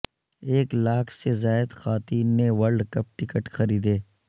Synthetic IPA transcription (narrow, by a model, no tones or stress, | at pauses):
eːklaːkʰsezaːjd̪xaːt̪iːnːeʋɐɾɖkɐp̚ʈɪkəʈxɐɾiːd̪eː